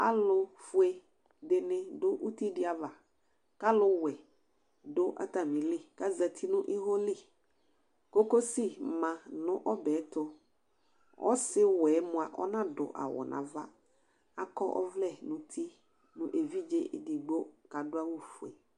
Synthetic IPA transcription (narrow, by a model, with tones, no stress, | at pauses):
a˦lʊ˦fʊ˦e˦ | dɪ˨nɪ̃˦dʊ˦ʔu˦ti˦dɪ˦a˨va˨ | ka˦lʊ˦wɛ˨ | dʊ˦ʔa̰˦ta˨mĩ˨lɪ˦ka˦za˨t̪ʰi˦nʊ̃˦ʔɪ˦ɦɔ˦li˦˨ | ko˦ko˦si˦˨mã˨nʊ̃˦ʔɔ˦bɛ˨˦tʊ˦ | ɔ̰˦sɪ˦wɛː˨˦mʊ̃˨a˨ʔɔ̰˦nã˦dʊ̰˨ʔa̰˨wɔ̰˨nʔã̰˨va˦ | a˨kɔ˦ʔɔ̰˦vlɛ˦˨nʊ̃˨t̪ʰi˦ | nʊ̃˨ʔe˨vi˦d͡ʒe˦di˨ɡ͡bo˦ka˨dʊ˦a˦wu˦fʊ˨ḛ˨